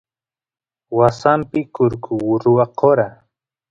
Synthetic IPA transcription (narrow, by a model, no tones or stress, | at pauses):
wasampɪkʊɾkʰʊwʊɾʊwaqʰoɾa